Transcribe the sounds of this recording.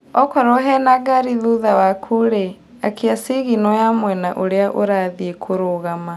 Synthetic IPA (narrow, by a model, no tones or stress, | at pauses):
ɔkɔɾɔɦɛnaɡaɾiðuðawakʰuɾe | akeasiɣinɔjamwɛnaʔoɾeaʔoɾaðiekʰoɾoɣama